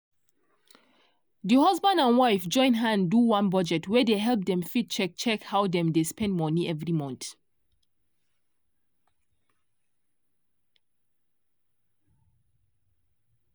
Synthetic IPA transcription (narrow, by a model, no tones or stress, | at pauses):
dihɔzbãndãnwaɪfd͡ʒɔ̃ɪ̃nɦãnduwãnbɔd͡ʒɛtʰwɛdeɦɛlp̚dɛ̃mfit̚t͡ʃɛk̚t͡ʃɛkhawdɛ̃mdespɛ̃nd̚mɔniɛvɹimɔ̃nθ